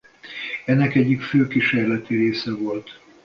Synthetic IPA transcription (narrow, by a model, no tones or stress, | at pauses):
ɛnːɛkɛɟːikføːkiʃeːrlɛt̪iɾeːsɛvo̞lt̪